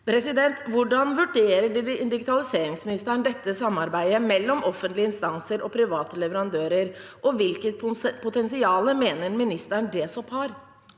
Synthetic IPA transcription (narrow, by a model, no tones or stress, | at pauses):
pʰɾɛsɪd̪ɛnt̪ʋʊɖɑnʋʉɖeːɾəɖd̪ɪɡɪt̪ʰɑlɪseːɾɪŋsmɪnɪst̪æɳd̪ɛt̪ːəsɑmːɑɾbæɪəmɛlːɔmʔɔfːənt̪lɪəɪnst̪ɑnsəɾʔɔpʰɾɪʋɑːt̪əlɛʋəɾɑnd̪øːɾəɾ | ʔɔʋɪlkət̪pʰʊt̪ɛnsɪɑːləmeːnəɾmɪnɪst̪æɳɖeːsɔphɑɾ